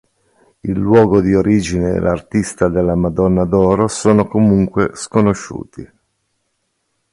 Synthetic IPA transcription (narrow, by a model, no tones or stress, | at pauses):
ilːwɔːɡod̪ioɾiːd͡ʒinḛːlʔa̰rt̪ist̪ad̪elːamad̪ɔnːad̪ɔːɾosoːnokomuŋkweskonoʃːṵːt̪i